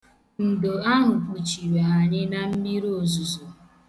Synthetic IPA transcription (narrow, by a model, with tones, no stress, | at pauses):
n̩˨do˨a˦ɦʊ˨bu˨t͡ʃi˨we˨ɦa˨ɲɪ˦na˦m̩˦mi˦ɾo˨zu˨zo˨